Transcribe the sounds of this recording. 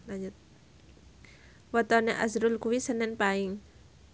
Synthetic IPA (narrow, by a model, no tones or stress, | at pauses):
lad͡ʒʊt̪̚ | wət̪ɔneʔa̰sɾʊlkuwisənɛnpaɪŋ